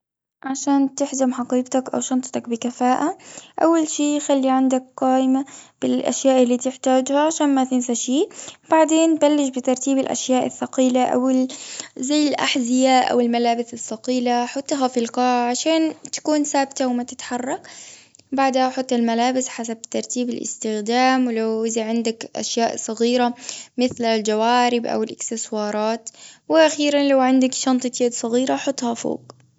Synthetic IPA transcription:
ʕaʃaːnt̪ɪħd͡ʒamħɑqiːqt̪akʔa̰wʃɑnt̪ˤt̪ɑkbɪkafaːʔaʔawːalʃiːxalːiʕand̪ak̚qaːʔɪmab̥ɪlʔa̰ʃjaːʔɪlːiːt̪ɪħt̪aːd͡ʒhaʕaʃaːnmaθɪnsaʃiːb̥aʕd̪eːnbalːɪʃbɪt̪ɑɾˤt̪iːbɪlʔa̰ʃjaːʔɪ̰θːɑqiːlaʔa̰wɪlzajːɪlʔa̰ħzɪjaːʔa̰wɪlmalaːbɪsɪθːɑqiːlaħʊt̪ˤːɦafilqɑːʕʕaʃaːnt̪ḁkuːnsaːbt̪awɪmat̪ɪt̪ħɑrˤːɑk | baʕd̪haħʊt̪ˤːɪlmalaːbɪsħasab̚t̪ːɑɾˤt̪iːbɪlʔɪ̰st̪ɪxd̪aːmwɪlawɪzaʕɪnd̪akʔa̰ʃjaːʔsˤɨɣiːɾamɪθlald͡ʒawaːɾɪbʔa̰wɪlʔɪksɪswɑːɾˤɑːt̪wɪʔaxiːɾanlawʕɪnd̪akʃɑnt̪ˤɨt̪jeːd̪sˤɑɣiːɾaħʊt̪ˤːhafo̰ːɡ

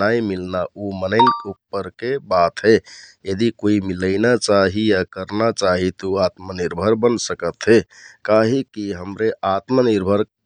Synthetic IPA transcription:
aimilnaʔumənəɪnupːəɾkebat̪ɦejəd̪ikoimiləɪnat͡ʃaɦijakəɾnat͡ʃaɦit̪ouat̪məniɾbʱəɾbənsəkət̪ɦekaɦikiɦəmɾeat̪məniɾbʱəɾ

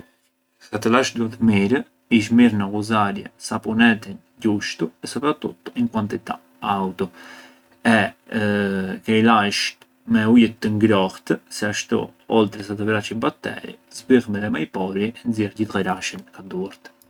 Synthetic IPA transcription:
sat̪əlaʃd̪uat̪miɾə | iʃ̬miɾnakuzaɾjɛ̰sapunɛt̪in | ɟuʃt̪uɛsɔpɾat̪ṵt̪ːiŋkwant̪it̪a̰ | awt̪ɔ | ɛ | kɛilaʃt̪ | mɛujət̪ːəŋɡɾɔxt̪sɛaʃt̪ɔ̰ɔlt̪ɾɛsat̪əvɾat͡ʃibat̪ːɛ̰ɾḭzbiʁmɛðɛmajpɔɾiɛnziɾɟit̪ʁɛɾaʃinkad̪uɾt̪

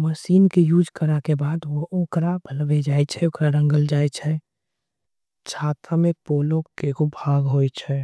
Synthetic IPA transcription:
məʃiːnkejuːd͡ʒkəɾakebaːd̪ʋooːkɾabʱəlʋed͡ʒaːɛt͡ʃʰɛoːkɾaɾə̃ŋɡəld͡ʒaːjt͡ʃʰɛ | t͡ʃʰaːt̪ʰamẽpoːlõkekobʱaːɡɦoit͡ʃʰɛ

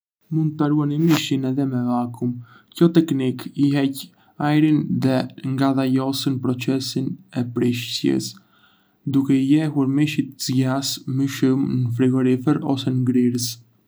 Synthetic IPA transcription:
mund̪aɾuanimiʃinɛðɛmɛvakum | kɔt̪ɛknikiɦɛc | ajɾinðɛŋɡaðajɔsənpɾɔt͡sɛsinɛpɾiʃtjɛ̰s | d̪ukɛijɛɦuɾmiʃit̪zɟasməʃumnəfɾiɡɔɾifɛɾɔ̰sɛnɡɾiɾəs

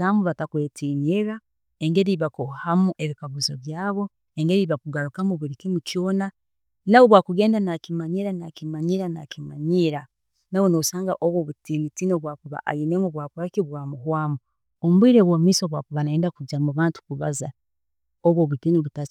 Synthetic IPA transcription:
amuβatakweːtinieɣa | e̞ŋɡe̞ɾiβakohamuʔe̞βikaɡuzo̞βjaːβo̞ | eŋɡe̞ɾiβakuɡaɾukamuβuɾikimucjoːna | nawoβwaːkuɡe̞ːndanakimaɲiɾanakimaɲiɾana̰kima̰ɲiɾa | nawonoβusaːŋɡaʔoβwoβutiːnitinoβwaːkuβa̰ʔa̰ɣinemuβwaːkuɾakiβwaːmuɦwaːmu | omuβwiːɾeβwomiːsoβwakuβanaeːndakuɟamuβaːntu̥kuβa̰za | oβwoβutiːniβuta

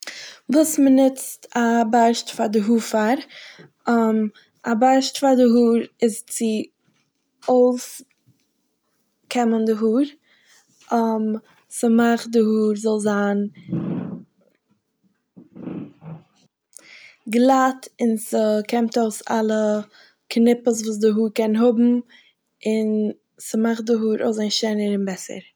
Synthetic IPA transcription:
vuːsmənɪt͡stʰabaɪʃtfaɾdɪɦuːɾfaɾ | əm | abaɪʃtfaɾdɪɦuːɾɪzt͡sɪ | oʊs | kʰɛməndɪɦuːɾ | əm | səmaχdɪhuːɾzɔlˠzaːn | ɡlˠatɪnsəkɛmtoʊsa̰lˠə | knɪpəs̬vuːs̬dɪɦuːɾkɛnɦʊbm̩ | ɪn | səmaχdɪɦuːɾo̰ʊsaɪnʃaɪnəɾɪnbɛsə̰ɾ

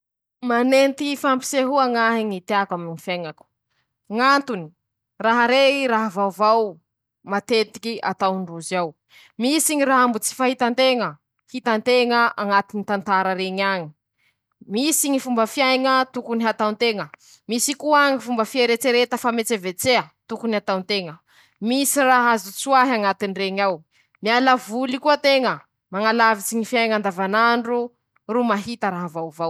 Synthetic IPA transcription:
manent̪ifampi̥seɦuaŋaɦiŋit̪eakaminifjajŋaku̥ | ŋant̪uni̥ | raɦaɾeiɾaɦavavaw | mat̪et̪i̥kia̰t̪awɳɖ͡ʐuzaw | misiŋiɾaɦambut͡si̥faɦit̪ant̪eŋə | hit̪ant̪eŋəʔaŋat̪init̪ant̪aɾəɾeɲaɲi̥ | misiɲifumbəfjajŋət̪ukuniɦat̪awnt̪eŋə | misikuaɲifumbəfieɾet͡seɾet̪əfamet͡sevet͡seət̪ukuniat̪awnt̪eŋə | misiraɦazut͡suaɦiaŋat̪inireɲaw | mialavulikuət̪eŋə | maŋalavit͡siɲifjajŋand̪avanaɳɖ͡ʐu | rumaɦit̪əɾaɦavawvaw

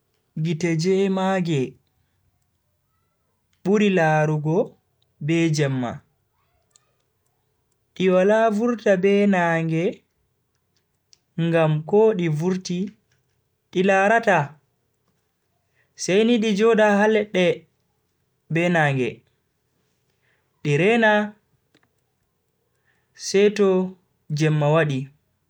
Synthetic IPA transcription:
ɡitɛd͡ʒɛmaɡɛ | ɓuɾilaɾuɡɔ | bɛd͡ʒɛmːa̰ | ɗiwalavuɾtabɛnaːŋɡɛ | ŋɡamkɔɗivuɾti | ɗilaɾata | sɛjniɗid͡ʒɔdaɦalɛɗːɛ | bɛnaːŋɡɛ̰ | ɗiɾɛna | sɛjtɔ | d͡ʒɛmːawaɗi

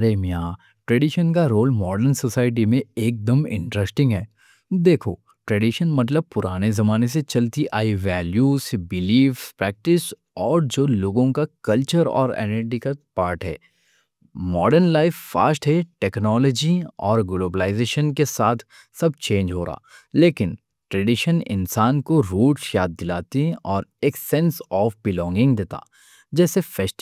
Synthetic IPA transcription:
ɐɾemijaː | ʈɾeɖiʃənkaɾoːlmɔːɖəɾnsosaːɪʈ̬imẽeːk̚d̪əmɪ̰̃ɳʈɾɛsʈɪ̃ŋɡɦɛː | d̪eːkʰo | ʈɾɛːɖiʃənmɐt̪̬ləb̚pʊɾaːnezɐmaːnes̬et͡ʃɐlt̪iʔaːiʋɛːljuːsbɪliːfpɾɛːk̚ʈɪs | ɔːɾd͡ʒoːloːɡõkakɐlt͡ʃəɾɔ̰ːɾɛ̰ːnəɾɖikapaːɾʈɦɛ̰ː | mɔːɖəɾnlaːɪfːa̰ːsʈɦɛʈɛːknɔːlɔd͡ʒiɔːɾɡloːbəlaːɪzeːʃənkesaːt̪ʰ | sɐb̚ʱt͡ʃẽːnd͡ʒɦoːɾaa̰ːleːkɪn | ʈɾɛɖɪʃənɪ̰̃nsaːnkoɾuːʈʃjaːd̪̚ːɪlaːt̪iɔːɾeːksɛ̃nsɔːfbɪlɔ̃ːŋɡɪ̃ŋɡd̪eːt̪a̰ː | d͡ʒɛːsefɛsʈ

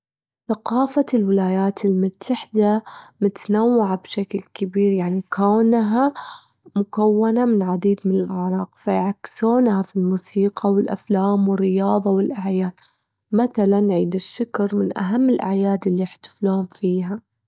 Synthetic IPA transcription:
θaqɑːfalwɪlaːjaːt̪ɪlmʊt̪ʰːaħd̪amʊt̪nawːaʕabʃaklkabiːɾjaʕnikʰawnɦa | mʊkawːanamɪnʕad̪iːd̪mɪnɪlʔaʕɾˤɑːqfajʕakːɪ̥suːnhafilmuːsiːqʰɑwɪlʔa̰flaːmwɪrːɪjɑːðˤɑwɪlʔaʕjaːd̪ | maθalanʕiːd̪ɪʃːʊkɾˤmɪnʔa̰ɦamːɪlʔa̰ʕjaːd̪ɪlːiɪħt̪ḁfluːʊmfiːɦa

